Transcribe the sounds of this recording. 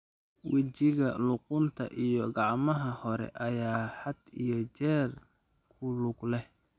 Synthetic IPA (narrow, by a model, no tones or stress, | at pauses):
wɪt͡ʃɪɣɐlʊqʊnt̪ʰɐ̰ʔijɞɡɑʕmɐɦɐhɔɾɛ̰ʔɐjaːħɐd̪ijɞt͡ʃɛːr | kʰʊlʊɡlɛh